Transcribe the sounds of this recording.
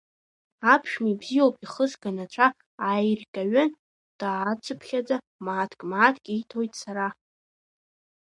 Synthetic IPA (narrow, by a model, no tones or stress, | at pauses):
apʰʂmibzijowpʼiχəzɡanat͡ʃʷʰa | ajrkʲʼaɥan | d̥aːt͡sʷʰɨpʰχʲad͡za | maːtʰkʼmaːtʰkʲʼejtʰojtʼsaɾa